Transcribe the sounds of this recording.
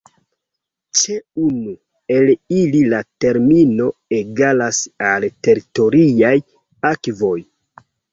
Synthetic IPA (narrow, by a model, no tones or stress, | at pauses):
t͡ʃeunu | e̞lililate̞ɾmino̞e̞ɡalasalte̞ɾito̞ɾiaj | akvo̞j